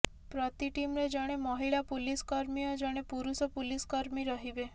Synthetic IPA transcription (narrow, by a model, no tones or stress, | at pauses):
pɾɔt̪iʈimɾed͡ʒɔɽ̃emɔɦiɭapuliskɔɾmijɔd͡ʒɔɽ̃epuɾusɔpuliskɔɾmiɾɔɦibe